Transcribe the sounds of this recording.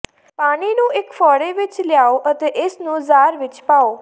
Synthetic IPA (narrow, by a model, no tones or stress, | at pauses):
paːɽ̃inũekfɔɽeʋɪt͡ʃljaoʔət̪eʔesnũzaːɾʋɪt͡ʃpao